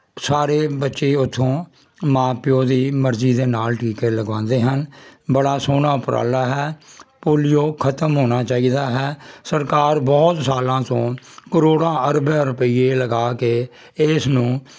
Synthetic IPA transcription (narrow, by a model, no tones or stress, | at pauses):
saːɾeːbətːʃeːʊt̪ʰːõː | mãːpɪjoːd̪iːməɾziːd̪eːnaːlʈʰiːkeːləɡʋãːnd̪eːɦənbəɽaːsoːnaːʊpɾʔa̰ːlaːɦɛːpoːlɪjoːkʰət̪əmɦoːnaːt͡ʃaːiːd̪aːɦɛːsəɾkaːɾbɔːt̪saːlãːt̪õːkəɾoːɽãːəɾbɛ̃ːɾʊpəiːeːləɡaːkeː | ɪsnũː